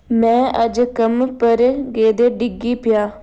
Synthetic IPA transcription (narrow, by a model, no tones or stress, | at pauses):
mɛ̃ːʔəd͡ʒkəmpəɾɡeːd̪eːɖɪɡiːpɪjaː